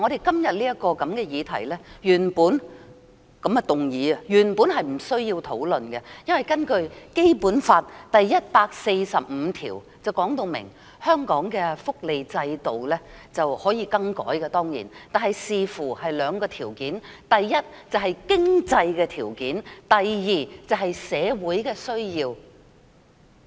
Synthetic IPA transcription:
ŋɔ˨˧ɾe˨˩jkɐ˥mjɐ˨t̚liː˥jɐ˥t̚kɔː˧kɐ˨˥mkɛː˧jiː˨˧t̪ʰɐ̰˨˩jlɛː˥jyː˨˩npuː˨˥n | kɐ˨˥mɛ˧t̪ʊ˨˩ŋjiː˨˧˥ɐ˧jyː˨˩npuː˨˥nɦɐ˨jm̩˨˩sɵ˥ɥjiː˧wt̪ʰo˨˥wlɵ˨nkɛ˧jɐ˥nwjkɐ˥nkɵ˧ɥke˥jpuː˨˥nfaː˧t̚t̪ɐ˨jːɐ˥t̚paː˧k̚se˧jsɐ˨p̚m̩ː˨˧t̪ʰiː˨˩w | t͡sɐ˨˩wkɔː˨˥ŋt̪o˧wmɪ̰˨˩ŋ | hœː˥ŋkɔː˨˥ŋkɛː˧fʊ˥k̚le˨jt͡sɐ˧jt̪o˨wlɛː˥t͡sɐ˨whɔː˨˥jiː˧kɐ˥ŋkɔ̰ː˨˥jkɛ˧t̪ɔː˥ŋjḭ˨˩nt̪aː˨nɦɐ˨jsiː˨fuː˨˩hɐ˨jlœː˨˧ŋkɔː˧t̪ʰiː˨˩wkiː˨˥nt̪ɐ˨jːɐ˥t̚t͡sɐ˨wɦɐ˨jkɪ˥ŋt͡sɐ˧jkɛː˧t̪ʰiː˨˩wkiː˨˥nt̪ɐ˨jjiː˨t͡sɐ˨wɦɐ˨jsɛː˨˧wuː˨˥jkɛː˧sɵ˥ɥjiː˧w

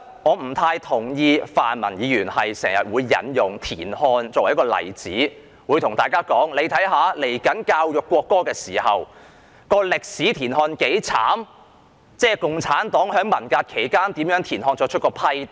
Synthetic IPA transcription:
ŋɔː˨˧m̩˨˩t̪ʰaː˧jt̪ʰʊ˨˩ŋjiː˧faː˨nmɐ̰˨˩njiː˨˧jyː˨˩nhɐ˨jsɛː˨˩ŋjɐ˨t̚wuː˨˧jːɐ̰˨˥njʊ˨ŋt̪ʰḭː˨˩nhɔː˧nt͡sɔː˧wjkɔː˧lɐ̰˨˩jt͡siː˨˥ | wuː˨˧jt̪ʰʊ˨˩ŋt̪aː˨jkaː˥kɔː˨˥ŋle˨˧jt̪ʰɐ˨˥jɦaː˨˥le˨˩jkɐ˨˥nkaː˧wjʊ˨kːʷɔː˧kːɔː˥kɛː˧siː˨˩hɐ˨w | kɔː˧lɪ˨k̚siː˨˥t̪ʰiː˨˩nɦɔː˧nke˨˥jt͡sʰa̰ː˨˥m | t͡sɛː˥˩kʊ˨ŋt͡sʰaː˨˥nt̪ɔː˨˥ŋhœː˨˥ŋmɐ˨˩nkaː˧t̚kʰe˨˩jkaː˥nt̪iː˨˥mjœː˨˥ŋt̪ʰiː˨˩nhɔː˧nt͡ʃɔː˧k̚t͡ʃʰɵ˥kɔː˧pʰɐ˥j

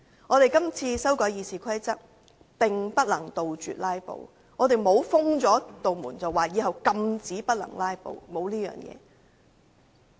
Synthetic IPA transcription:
ŋɔː˨˧t̪e˨jkɐ˥mt͡sʰiː˧sɐ˥wkɔː˨˥jiː˨˧siː˨˩kʷʰɐ˥jt͡sɐ˥t̚ | pɪ˨˩ŋpɐ˥t̚lɐ˨˩ŋt̪o˨wt͡ʃy̰ː˨t̚laː˥jpo̰˨˩w | ŋɔː˨˧t̪e˨jmo˨˧wfʊ˥ŋt͡ʃɔː˨˥t̪o˨wmuː˨˩nt͡sɐ˨wːaː˨jiː˨˧hɐ˨wkɐ˧mt͡siː˨˥pɐ˥t̚lɐ̰˨˩ŋlaː˥jpo̰˨wmo˨˧wliː˥jœ̰ː˨ŋjɛ̰ː˨˧

